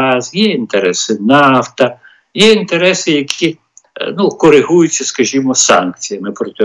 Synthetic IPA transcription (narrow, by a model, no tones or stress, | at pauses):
ɑzjɛint̪eɾɛsɪnɑft̪ɐ | jɛint̪eɾɛsɪjɐkʲʰi | nukɔɾɪɦujʊt͡sʲːɐskɐʒʲimɔsɑ̰nk̚t͡sʲijɐmɪpɾɔt̪ɛ